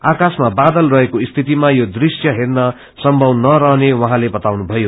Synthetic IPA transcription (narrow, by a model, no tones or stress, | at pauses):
akasmabad̪ʌlrʌɦekoist̪ʰit̪imajod̪risjʌɦernʌ | sʌmbʱʌwnʌɾʌɦnewʌɦãlebʌt̪awnubʱʌjo